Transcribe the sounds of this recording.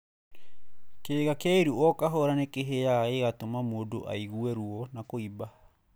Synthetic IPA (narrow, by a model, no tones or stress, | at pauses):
keːɣakeaiɾuɔkaɦɔɾanekeɦejaeɣatomamoːdoʔa̰iɣuɛɾuɔnakoiba